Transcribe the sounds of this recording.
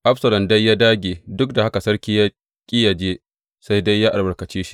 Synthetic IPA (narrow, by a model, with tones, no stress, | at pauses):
ʔa˦ɸsɐ˨lɔ˨mda˦jːaː˦daː˦ɡʲeː˨dʊ˦k̚da˨ha˦ka˨sɐ˦ɽkʲiː˦ja˦ | kʲʼiː˦ja˨d͡ʒeː˦ | sa˦jda˦jːaː˦ʔa˨lbɐ˨ɾkɐ˨t͡ʃeː˦ʃi̥˦